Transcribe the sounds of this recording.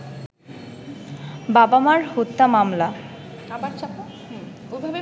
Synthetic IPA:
babamaɾhot̪ːamamla | aa | obʱabe

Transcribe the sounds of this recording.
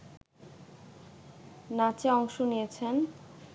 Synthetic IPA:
nat͡ɕeɔŋʃonijet͡ɕʰen

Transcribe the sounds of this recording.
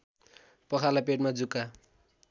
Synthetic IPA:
pʌkʰalapeʈ̚mad͡zuka

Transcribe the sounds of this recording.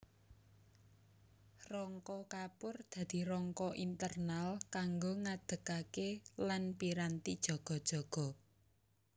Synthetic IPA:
rɔŋkɔkapʊrd̪̥ä̤d̪̥i̤ɾɔŋkɔʔint̪ərnalkaŋɡoŋad̪̥ə̤kakelanpiɾant̪id̥ʒ̥ɔ̤ɡ̥ɔ̤d̥ʒ̥ɔ̤ɡ̥ɔ̤

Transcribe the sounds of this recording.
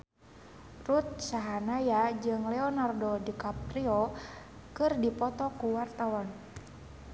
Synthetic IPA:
rut̪̚saɦanajad͡ʒɨŋlɛɔnardodikapriɔ | kɨrdipɔt̪ɔkuwart̪awan

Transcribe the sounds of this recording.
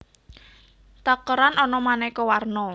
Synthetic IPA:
t̪akəɾanɔnɔmanɛkɔwarnɔ

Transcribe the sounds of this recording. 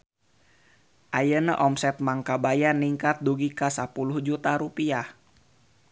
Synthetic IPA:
ʔajənəʔɔmsɛt̪̚maŋkabajaniŋkat̪̚duɡikasapulʊhd͡ʒut̪aɾupiah

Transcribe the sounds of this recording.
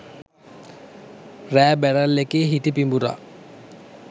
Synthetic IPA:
ræːbæɽəlːekeːɦit̪ipimbuɾa̰

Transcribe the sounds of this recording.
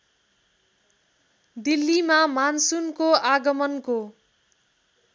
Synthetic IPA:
d̪ilːimamansunkoaɡʌmʌnko

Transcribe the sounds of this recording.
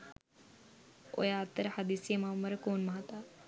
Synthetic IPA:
o̰jaːt̪ːəɾhɐd̪isimaːmːɐɾkoːnmɐɦat̪a

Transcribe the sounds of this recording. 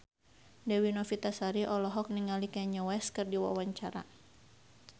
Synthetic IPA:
dɛwinɔfit̪asaɾiʔɔlɔɦɔk̚niŋalikaɲɔwɛskɨrdiwa̰waɲt͡ʃaɾa̰

